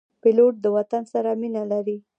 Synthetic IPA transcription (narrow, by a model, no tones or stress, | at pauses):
pɪloʈ̚d̪əwat̪ansaɾaminalaɾi